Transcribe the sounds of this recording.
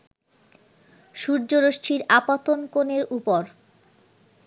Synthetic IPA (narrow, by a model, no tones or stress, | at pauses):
ʃuɾd͡ʑoɾoʃʈʰiɾapat̪onkoneɾupoɾ